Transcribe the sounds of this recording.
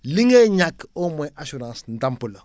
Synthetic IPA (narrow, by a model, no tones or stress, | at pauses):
liŋeɲakomɛʔaʃuɾãsn̩dampulo